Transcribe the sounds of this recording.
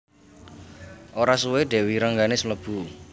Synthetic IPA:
ʔoɾasuweɖ̪̥ɛ̤wiɾəŋɡanesəmləb̥ṳ

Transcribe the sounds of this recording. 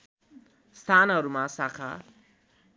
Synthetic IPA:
st̪ʰaːnaɾumasakʰa̰

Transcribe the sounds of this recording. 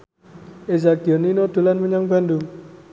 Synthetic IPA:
ezaɡiɔninod̪̥ṳlanməɲaŋb̥a̤ndʊŋ

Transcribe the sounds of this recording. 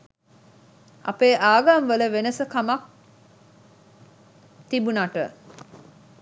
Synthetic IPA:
ʔɐ̰peːʔaːɡaŋʋələʋenəsəkamɐk̚ | t̪ibunaʈə

